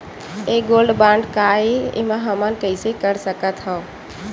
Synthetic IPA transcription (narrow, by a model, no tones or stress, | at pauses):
eːɡoːlɖbãːɳɖkaːeḛmãɦəmənkəɪsekəɾsəkət̪ɦə̃